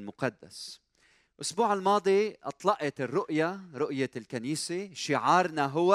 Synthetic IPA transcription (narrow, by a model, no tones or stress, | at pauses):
lmʊqɑd̪ːa̰s | ʔʊsbuːʕɪlmɑːd̪ˤiʔɑt̪ˤlɑʔɑt̪ɪrːʊʔjaɾʊʔjalkaniːseʃɪʕɑːɾˤnaɦʊwː